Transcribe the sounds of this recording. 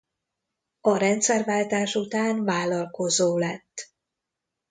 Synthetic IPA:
ɒɾɛnt̪sɛrvaːlt̪aːʃut̪aːnvaːlɒlko̞zoːlɛt̪ː

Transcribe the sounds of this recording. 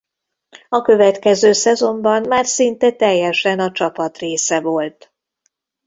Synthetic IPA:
ɒkø̞vɛt̪kɛzøːsɛzo̞mbɒnmaːrsint̪ɛt̪ɛjːɛʃɛnɒt͡ʃɒpɒt̪reːsɛvo̞lt̪

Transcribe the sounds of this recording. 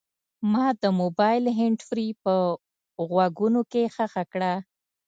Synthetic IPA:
mɑd̪əmobɑjlɦɪɳɖfɾipə | ɣwaɡunokexaxakɽa

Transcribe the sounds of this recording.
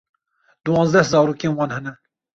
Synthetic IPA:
d̪uwɑ̃ːnzd̪ɛhzɑːɾuːkeːnwɑːnhɛnɛ

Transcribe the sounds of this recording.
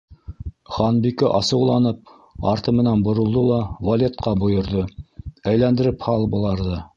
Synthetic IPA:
χɑnbikɘʔɑsɤ̆wlˠɑnɤp̚ | ɑɾt̪ɤmɘ̆nænbŏɾŏlˠd̪ɤlˠɑvɐlʲet̪̚qɑbŏjɤ̆ɾðɤæjlænd̪ɘ̆ɾɘphɑlˠbɤ̆lˠɑɾðɤ

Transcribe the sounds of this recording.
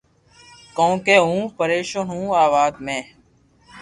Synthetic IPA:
kõːkeːɦũːpəɾeːʃoːnɦũːaːʋaːd̪mẽː

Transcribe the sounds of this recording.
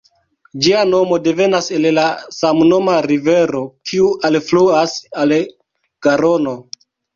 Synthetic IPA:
d͡ʒiano̞mo̞de̞ve̞nase̞llasamno̞maɾive̞ɾo̞kʰiuʔalfluasal | ɡ̥aɾo̞no̞

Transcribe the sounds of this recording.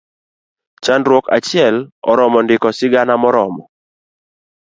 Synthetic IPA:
t͡ʃandɾwoka̰t͡ʃɪɛlɔ̰ɾɔmɔndɪkɔsɪɡanamɔɾɔmɔ

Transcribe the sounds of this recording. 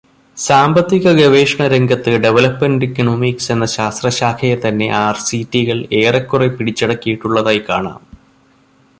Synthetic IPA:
saːmbɐt̪ːiɣɐɡɐʋe̞ːʂɐɳɐɾeŋɡʱɐt̪ːɨɖe̞ʋɐlɐpmɐndikːɨnoːmiːkse̞nːɐɕaːst̪rɐɕaːkʰɐjɐt̪ɐnːe̞̰ʔaːrsitːiɣɐɭe̞ːrɐkːurepiɽit͡ɕːiɽɐkːijiʈːuɭːɐðaːjkaːɳa̰ːm

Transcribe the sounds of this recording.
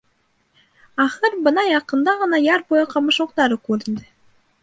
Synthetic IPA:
ɑχɤɾbɤnɑjɑqɤ̆nd̪ɑʁɤ̆nɑjɑɾbojɤqɑmɤ̆ʃŭqt̪ɑɾɤkʉɾɘ̆nd̪ɘ

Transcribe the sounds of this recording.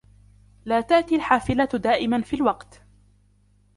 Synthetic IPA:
laːt̪aʔt̪ialħaːfɪlad̪aːʔɪmanfiːlwɑqt̪

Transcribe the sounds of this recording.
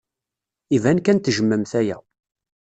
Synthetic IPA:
ivænkænt̪ʒəmːəmθæjæ̰

